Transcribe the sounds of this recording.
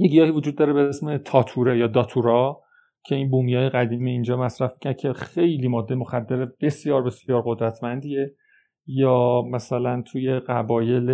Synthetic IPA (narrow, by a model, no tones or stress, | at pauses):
jeɡijɒːhivod͡ʒud̪ːɒːɾebeesme̞t̪ʰɒːt̪ʰuɾejɒːd̪ɒːt̪ʰuɾɒ | cʰe̞inbuːmijɒːjeɣæd̪iːmiind͡ʒɒːmæsɾæfmi̥cʰæɾd̪̥̚cʰe̞xe̞jliːmɒːd̪ːe̞jmo̞xæd̪ːeɾeb̥e̞sjɒːɾbe̞sjɒːɾɢo̞d̪ɾæt̪ʰmænd̪iːe | jɒːmæsælænt̪ʰuːje̞ɢæbɒːje̞l